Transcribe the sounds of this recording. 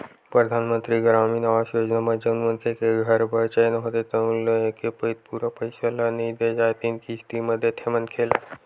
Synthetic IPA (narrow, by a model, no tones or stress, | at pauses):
pɾəd̪ʱanmənt̪ɾiɡɾaːminaaʃjoːd͡ʒnamad͡ʒənmənkʰekeɡʱəɾbət͡ʃəjnɦot̪et̪ɐũlekepəit̪̚puɾapəjsəlanəid̪ed͡ʒajt̪inkist̪iməd̪ʱjet̪ʰemənkʰela